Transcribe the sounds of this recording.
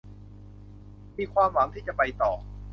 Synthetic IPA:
miː˧kʰwaː˧mwa˩˦ŋt̪ʰiː˥˩t͡ɕa˨˩pa˧jt̪ɔː˨˩

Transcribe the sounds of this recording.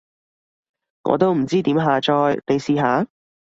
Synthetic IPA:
ŋɔ̰ː˨˧t̪o˥wm̩˨˩t͡siː˥t̪iː˨˥mɦaː˨˧t͡ʃɔː˧jle˨˧jsiː˨˧ɦaː˨˥

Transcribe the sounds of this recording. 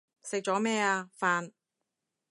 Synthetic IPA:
sɪ˨k̚t͡ʃɔː˨˥mɛː˥˩aː˧faː˧n

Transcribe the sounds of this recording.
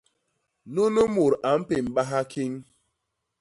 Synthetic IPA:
no˦no˦mu˨ɾa˨m̩˦pe˨m̩˨ɓa˦ɦa˦kʰi˦ŋ˦

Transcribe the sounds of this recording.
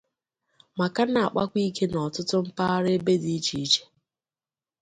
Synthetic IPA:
ma˨ka˦na˨a̰˨k͡pa˦kʷi˦ke˦nɔ˨tʊ˦tʊ˦m̩˦pa˦ɾe˦be˦di˨˦t͡ʃi˨i˦t͡ʃe̥˦

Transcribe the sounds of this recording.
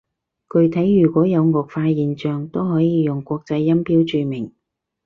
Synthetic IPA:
kɵ˨˧ɥt̪ʰɐ˨˥jːyː˨˩kʷɔː˨˥jɐ˨˧wŋɔː˨k̚faː˧jiː˨nt͡ʃœː˨ŋt̪o˥wɦɔː˨˥jiː˨˧jʊ˨ŋkʷɔː˧k̚t͡sɐ˧jːɐ˥mpiː˥wt͡ʃyː˧mɪ˨˩ŋ

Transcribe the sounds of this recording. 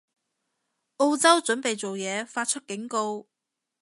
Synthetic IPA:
ʔo˥˧wt͡sɐ˥wt͡ʃɵ˨˥npe˨jt͡so˨wjɛː˨˧faː˧t̚t͡ʃʰɵ˥t̚kɪ˨˥ŋko˧w

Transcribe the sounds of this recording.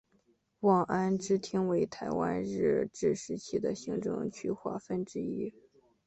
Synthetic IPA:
wɑ˥˩ŋʔa˥nʈ͡ʂɻ̩˥t̪ʰi˥ŋwe˧˥ɪt̪ʰa˧˥ɪwa̰˥nɻɻ̩˥˩ʈ͡ʂɻ̩˥˩ʂɻ̩˧˥t͡ɕʰi˥˩d̪ə˦ɕi˧˥ŋʈ͡ʂɤ̰˥˧ŋt͡ɕʰy˥xwa̰˥˩fə˥˩nʈ͡ʂɻ̩˥i˥

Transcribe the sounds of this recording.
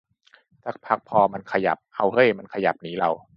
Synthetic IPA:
t̪ʰaː˨˩k̚pʰa˦˥k̚pʰɔː˧ma˧nkʰa˧ja̰˨˩p̚ha˧˩whɤ˧˥˩jma˧nkʰa˧ja̰˨˩p̚niː˦˥la˧w

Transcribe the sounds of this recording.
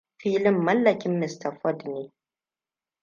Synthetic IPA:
ɸiː˦lɪ˦mːɐ˦lːɐ˨kʲɪ˦mːɪ˨stɐ˨fɔ˦dneː˦

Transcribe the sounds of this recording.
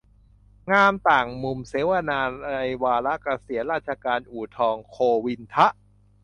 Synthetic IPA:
ŋaː˧mt̪aː˨˩ŋmu˧mseː˨˦wa˧naː˧a˧jwaː˧la˦˥ʔka˧si˩˦nɾaː˥˩t̪̚t͡ɕʰa˧kaː˧nʔuː˨˩t̪ʰɔː˧ŋkʰoː˧wi˧nt̪ʰa˦˥ʔ

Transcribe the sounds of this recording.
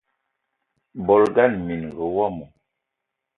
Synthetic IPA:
bɔ˨lɡa˦˨nmi˨nɡə˨wa˦mu˨

